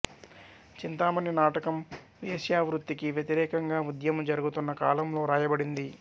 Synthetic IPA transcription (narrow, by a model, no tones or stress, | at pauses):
t͡ʃint̪aːmɐnːinaːʈɐkɐm | ʋeːsjaːʋɾut̪ːikiʋjɐt̪iɾɛːkɐŋɡaːud̪jɐmɐmd͡ʒɐɾuɡut̪unːɐkaːlɐmlo̞ːɾaːjɐbɐɽind̪i